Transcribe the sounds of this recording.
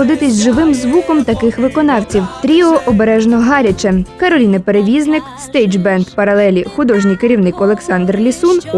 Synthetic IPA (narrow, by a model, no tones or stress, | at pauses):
ɔd̪ɪt̪ɪsʲʒɪʋɪmzʋukɔmt̪ɐkɪxʋɪkɔnɑwt͡sʲiwt̪ɾʲiɔʔɔbeɾɛʒnɔɦɑɾʲɐt͡ʃɛkɐɾɔlʲinɐpeɾeʋʲiznɪkst̪ɛjd͡ʒbɛnd̪pɐɾɐlˠɛlʲixʊd̪ɔʒnɪjkeɾʲiwnɪkɔlˠeksɑnd̪rlʲisun